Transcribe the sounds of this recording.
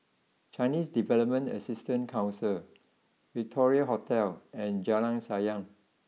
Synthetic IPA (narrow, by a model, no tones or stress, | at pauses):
t͡ʃaɪnisdivɛləp̚mə̃ntə̰sistə̃nkʰãw̃nsil | pɹitʰɔɹiəɦɔtʰɛlɛ̃nd͡ʒalãŋsajãŋ